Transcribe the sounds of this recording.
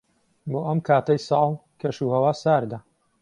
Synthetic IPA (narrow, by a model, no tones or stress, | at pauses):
boːʔɐmkʰaːt̪ɐjsɑːlˠkʰɐʃuːhɐwaːsaːɾd̪a